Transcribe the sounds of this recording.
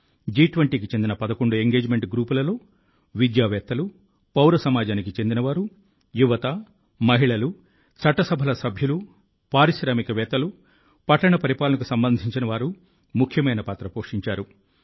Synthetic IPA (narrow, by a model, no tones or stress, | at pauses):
d͡ʒiːʈʋɐɳʈiːkit͡ʃe̞nd̪inɐpɐd̪ɐkoɳɖue̞ŋɡe̞ːd͡ʒme̞ɳʈɡɾuːpulɐlo̞ː | ʋid̪jaːʋɛːt̪ːɐlu | pɐwɾɐsɐmaːd͡ʒaːnikit͡ʃe̞nd̪inɐʋaːɾu | juʋɐt̪ɐ | mɐɦiɭɐlu | t͡ʃɐʈːɐsɐbʱɐlɐsɐbʱjɐlu | paːɾiʃɾaːmikɐʋɛːt̪ɐlu | pɐʈːɐɳɐpɐɾipaːlɐnɐk̬usɐmbɐnd̪ʱiɲt͡ʃinɐʋaːɾu | mukʰjɐmɐjnɐpaːt̪ɾɐpoːʂiɲt͡ʃaːɾu